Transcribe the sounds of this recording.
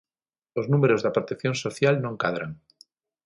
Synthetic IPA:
oznumeɾozðapɾot̪ekθjonsoθjalnõŋkað̞ɾaŋ

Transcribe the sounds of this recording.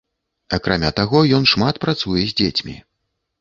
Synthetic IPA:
akɾamʲat̪aɣɔjɔnʂmat̪pɾat̪sujɛzʲd͡zʲet͡sʲmʲḭ

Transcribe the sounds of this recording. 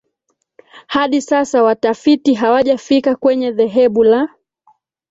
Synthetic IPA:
haɗisasawatafitiɦawaʄafikakwɛɲɛðɛɦɛɓula

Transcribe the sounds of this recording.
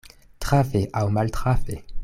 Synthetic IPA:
t̪χafeʔawmaltχafe

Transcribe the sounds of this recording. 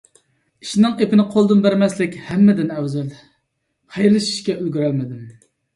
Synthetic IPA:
i̥ʃnɨŋepɪnɪqʰolˠd̪umbæɾmɛslɪkʲhɛmːɛd̪ɪnæwzɛl | hɛjlɪʃi̥ʃkʲɛʔylɡʲyɾælmɪd̪ɪm

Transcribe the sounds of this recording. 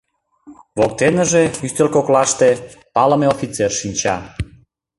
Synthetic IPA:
βok̚t̪enəʒeyst̪elkoklɑʃt̪e | pɑləmeofit͡serʃinʲt͡ɕɑ̰

